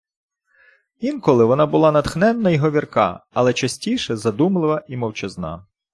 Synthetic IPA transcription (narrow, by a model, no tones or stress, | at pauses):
inkɔlˠɪʋɔnɑbʊlˠɑnɐt̪xnɛnːɐjɦɔʋʲirkɑ̰ɐlˠɛt͡ʃɐsʲtʲijʃɛzɐd̪umlˠɪʋɐimɔwt͡ʃɪznɑ̰